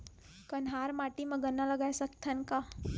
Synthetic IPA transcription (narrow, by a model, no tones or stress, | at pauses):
kənɦaɾmaʈiməɡənːaləɡajsəkt̪ʰanka